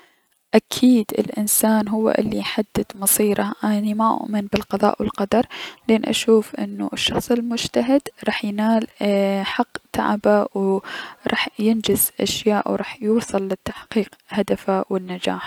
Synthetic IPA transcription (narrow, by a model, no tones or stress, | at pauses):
ʔakʰiːd̪ɪ̰lʔɪnsaːnɦʊwːa̰ʔɪ̰lːiħad̪ːɪd̪mɑsˤiːɾɑʔanimaʔʊ̰ʔmɪnbɪlqɑðˤɑ̰ːʔwɪ̰lqɑd̪ɑɾˤlʔeːnʔa̰ʃuːfʔɪ̰nːṵʔɪʃːɑxsˤɪlmʊd͡ʒt̪aɦɪd̪ɾˤɑːħjnaːlħɑqːt̪a̰ʕbawɾˤɑ̰ːħjɪnd͡ʒɪzʔaʃjaːʔwɾˤɑːħjuːsˤɨlːɪt̪ːaħqiːqhad̪afawɪnːad͡ʒa̰ːħ